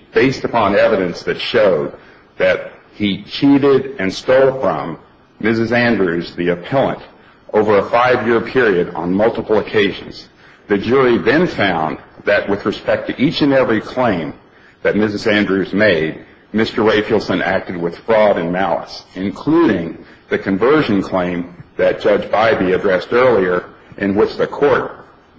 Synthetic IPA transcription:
b̥eɪstɨpɑ̃nɛvɨɾɨ̃nsðɨtʃoʊd̪̚ | ðɨt̚ | hit͡ʃʰiɾɪɾɨ̃nstoʊlˠfɹʌ̃mː | ɪs̬ɨzæ̃ndɹʉzðiɨpʰɛlˠə̰̃nt | ʔoʊvə˞əfaɪvjɪɹpʰɪɹiɨɾn̩mʌlˠtəpl̩ˠəkʰeɪʒɨ̰̃nz̥ | ðɨd͡ʒʊɹiðɨ̃nfãʊ̃nðɨʔ̚wɨðɹɨspɛk̚tʰɨʔit͡ʃɨ̃nɛvɹikʰl̥ẽɪ̃m | ðɨt̚mɪzɨzæ̃ndɹʉzmeɪd̚ | mɪstə˞ɹeɪfilˠsɨ̃næ̰k̚tɨd̚wɨð̥fɹɔɾɨ̃nmælˠə̰sɨ̃nkʰl̥uɾɪ̃ŋ | ðɨkʰɨ̃ɱvɜ˞ʒɨ̃nkʰl̥ẽɪ̃mðɨt̚d̥ʒ̥ʌd͡ʒbaɪbiɨdɹɛstɜ˞lˠiə˞ | ʔɨ̃nwɪt͡ʃðɨkʰɔɹt̚

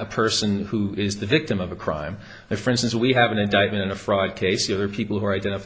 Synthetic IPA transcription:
əpʰɜ˞sɨ̃nhuʔɪzðɨvɪk̚tɨ̃mʌvəkʰɹ̥ã̰ɪ̃m | ɨ̃fə˞ɪ̃nstɨ̃n̩swiɨvɨ̃nɨ̃ndaɪt̚mɨ̃ɾ̃ɨ̃nɨfɹɔd̚kʰeɪsə˞ðə˞pʰipl̩ˠhuə˞aɪdɛ̃ɾ̃ɨf

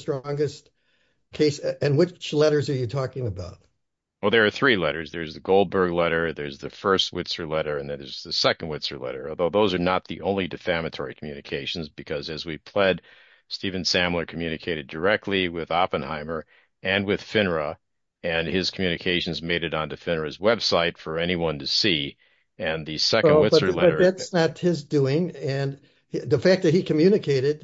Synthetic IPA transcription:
stɹ̥ɔ̃ŋɡɨst | kʰeɪsɨ̃nwɨt͡ʃlɛɾə˞zə˞jɨtʰɔkɪ̃ŋəbaʊt̚ | wɛlˠðə˞ːθɹilɛɾə˞zðə˞zðɨɡoʊlˠbə˞ɡlɛɾə˞ðə˞zðɨfɜ˞st̚wɪtsə˞lɛɾə˞ɨ̃nðɨ̃nðə˞zðɨsɛkə̃n̩d̚wɪtsə˞lɛ̰ɾə̰˞ɔlˠðoʊðoʊzə˞nət̪̚ðiʔõʊ̃nlidɨfæmɨtʰɔɹikʰm̩jʉnɨkʰeɪʃn̩zbɨkʰʌzɨzwipʰl̥ɛd̚ | stivɨ̃nsæ̃mlˠə˞kʰmjʉñɨkʰeɪɾɨdə˞ɛk̚tʰˡliwɪðɑpɨ̃nhã̰ɪ̃mə˞ | ɨ̃nwɪð̥fɪ̃nə˞ə | ɨ̃nɪz̥kʰmjʉnɨkʰeɪʃn̩zmeɪɾɨɾn̩dɨfɪ̃nə˞ɨzwɛb̥saɪtfə˞ɛniwʌ̃ntɨsi | ɨ̃nðɨsɛkndwɪbsʌə˞lɛʌɾə˞ðætsnət̚hɪzduɪ̃ŋɨ̃n | ðɨfæk̚ðɨt̚hikʰɨmjʉnɨkʰeɪɾɨd̚

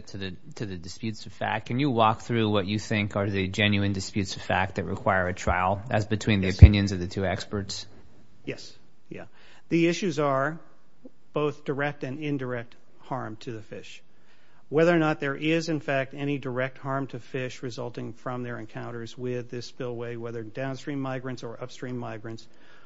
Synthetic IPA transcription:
tʰɨðɨ | tʰɨðɨdɨspjʉtsʌv̥fæ̰k̚kʰɨ̃njɨwɔk̚θɹʉwʌt͡ʃɨθɪ̃ŋkə˞ðɨd͡ʒɛ̃njʉɨ̃ndɨspjʉtsʌv̥fæk̚t̚ðɨt̚ɹʔɨkʰw̥aɪə˞ɨtʰɹ̥a̰ɪlˠɨ̰zbɨtʰw̥ĩnðiɨpʰɪ̃njɨ̃nzʌvðɨtʰʉɛkspə˞ts | jɛs | jæ̰ | ðiɪʃʉzə˞ | b̥oʊθd̥ə˞ɛk̚tɨ̃nɪ̃ndə˞ɛk̚t̚ | hɑɹmtʰɨðɨfɪʃ | wɛðə˞nət̪̚ðə˞ʔɪzɨ̃nfæk̚tɛñidə˞ɛk̚t̚hɑɹmtʰɨfɪʃɹɨzʌlˠtɪ̃ŋfɹʌ̃mðə˞ɨ̰̃nkʰãʊ̃ɾ̃ə˞zwɪðɪspɪlˠweɪwɛðə˞dãʊ̃nstɹ̥ĩmːaɪɡɹɨ̃ntsə˞ʔʌpstɹ̥ĩmːaɪɡɹɨ̃nts

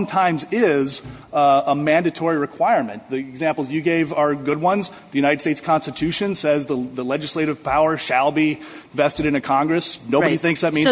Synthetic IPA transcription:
ʌ̃mtʰãɪ̃mzɪz | əmæ̃ndɨtʰɔɹiɹɨkʰw̥aɪəɹmɨ̰̃nðiɨɡzæ̃mpl̩ˠzjɨɡeɪvə˞ɡʊd̚wʌ̃nz | ðɨjʉnaɪɾɨd̥steɪtskʰɑ̃nstɨtʰʉʃɨ̃nsɛzðəðəlɛd͡ʒɨsleɪɾɨv̥pʰaʊə˞ʃəlˠbi | vɛstɨɾɨ̃ñɨkʰɑ̃ŋɡɹɨsnoʊbɨɾiθɪ̃ŋksðɨt̚mĩn

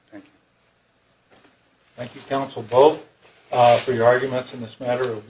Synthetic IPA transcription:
θæ̃ŋk | θæ̃ŋkjɨkʰãʊ̃nsl̩ˠboʊθ | fə˞jə˞ɑɹɡjɨmɨ̃ntsɨ̃nðɪsmæɾə˞ʌv

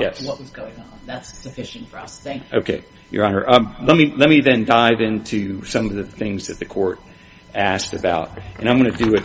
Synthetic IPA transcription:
jɛswʌʔ̚wʌzɡoʊɪ̃ŋə̃nðætsɨfɪʃɨ̃n̩tfə˞ʌsθɪ̃ŋkoʊkʰeɪ | jə̰˞ɑ̃nə̰˞ʔʌlɛt̚milɛt̚miðɨ̃ndaɪvɪ̃ntʰʉsʌ̃mʌvðɨθɪ̃ŋzðɨt̪̚ðɨkʰɔɹɾ | æstɨbaʊɾ̚ʔɨ̃nãɪ̃mɡʌ̃nɨdɨɪt̚

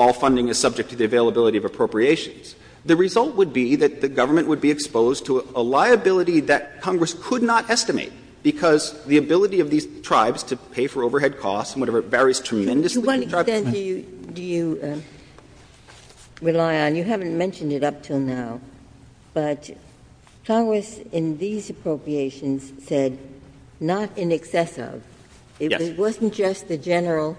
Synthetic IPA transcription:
ɔlˠfʌ̃ndɪ̃ŋɨz̥sʌb̚d͡ʒɨk̚tʰɨðiɨveɪlˠəbɪlˠəɾiʌvɨpʰɹ̥oʊpɹieɪʃɨ̃nz̥ | ðɨɹɨzʌlˠt̚wəd̚biðɨt̪̚ðɨɡʌvə˞mɨ̃nʔwəd̚biɨkspoʊztʰəəlaɪɨbɪlˠəɾiðɨt̚kʰɑ̃ŋɡɹɨskʰɨdⁿnəɾɛstɨmḛɪt̚ | b̥ɨkʰʌzðiɨbɪlˠəɾiʌvðiz̥tʰɹ̥aɪbz̥tʰɨpʰeɪfə˞oʊvə˞ɦɛd̚kʰɔstsn̩wʌɾɛvə˞vɛɹiz̥tʰɹ̥ɨmɛ̃ndɨsiɹaɪ̃ɨjdɨjɨ | ɹɨlaɪɨ̃njɨɦæṽn̩mɛ̃nʃɨ̃n̩dɨɾʌp̚tʰɪlˠnaʊ | b̥ʌt | kʰawɨsɪ̃nðizɨpʰɹ̥oʊpɹieɪʃɨ̃nz̥sɛdⁿ | nəɾɪ̃nɨksɛsɪ̰v | ɪt̚ɛɪt̚wʌzn̩d̥ʒ̥ʌst̪̚ðɨd͡ʒɛnə˞l̩ˠ

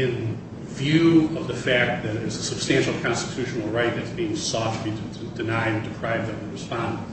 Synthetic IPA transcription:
ɪ̃n | vjʉʌvðɨfæk̚t̚ðɨɾɪzəsɨb̥stæ̃nʃl̩ˠkʰɑ̃nstɨtʰʉʃn̩l̩ˠɹaɪt̪̚ðɨtsb̥iɪ̃ŋsɔfiɾʰɨɨdɨnaɪɨ̃dɨpʰɹ̥aɪvdʌvəɹɨspɑ̃n

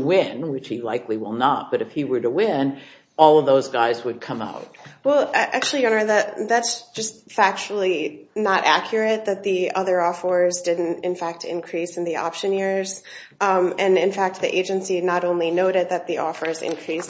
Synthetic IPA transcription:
wɪ̃nwɨt͡ʃhilaɪkliwɪlˠnət̚b̥ʌɾɨfhiwə˞ɾəwɪ̃n | ɔlˠʌvðoʊzɡaɪzwɨd̚kʰʌ̃ma̰ʊt̚wɛlˠaɪʔæ̰k̚t͡ʃʉl̩ˠiʌ̃nə˞ðɨt̪̚ðætsd̥ʒ̥ʌstfæk̚t͡ʃl̩ˠinəɾʔækʰjə˞ɨt̪̚ðɨt̪̚ðiʌðə˞ɔfə˞zdɪdⁿn̩tɨ̃nfæk̚tʰɨ̰̃nkʰɹ̥isn̩ðiʔɑ̰pʃɨ̃nɪɹz̥ | mɨ̃nɨ̃nfæk̚t̪̚ðiʔeɪd͡ʒɨ̃nsinəɾõʊ̃nlinoʊɾɨd̪̚ðɨt̪̚ðiʔɔfə˞zɪ̰̃nkʰɹ̥is

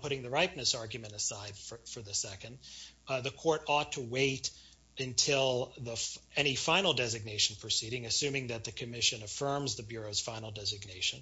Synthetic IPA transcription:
pʰʊɾɪ̃ŋðɨɹaɪp̚nɨsɑɹɡjɨmɨ̃ñtɨsaɪd̥fə˞fə˞ðɨsɛkɨ̃ndðɨkʰɔɹɾɔtʰəweɪɾ | ɨ̃ntʰɪlˠðəɛɾ̃ifãɪ̃nl̩ˠdɛzɨɡ̚neɪʃn̩pʰɹ̥ɨsiɾɪ̃ŋɨsʉ̃mɪ̃ŋðɨt̪̚ðɨkʰɨmɪʃɨ̃nɨfɜ̃˞mzðɨbjʊɹoʊz̥fãɪ̃nl̩ˠdɛzɨɡ̚neɪʃɨ̃n

